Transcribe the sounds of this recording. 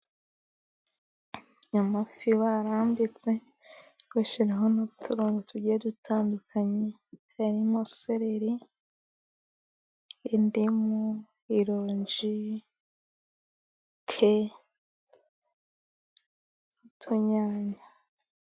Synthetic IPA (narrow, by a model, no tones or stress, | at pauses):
ɲamafiwaɾaːmbit͡se̞ | ɡweʃiɾeɦonuβutʰuɾuːŋɡotʰuɟiedutʰaːndukʰaɲe | aɾimoseɾeɾi | ndimu | iɾoːɲd͡ʒi | kʰe | utʰuɲaːɲa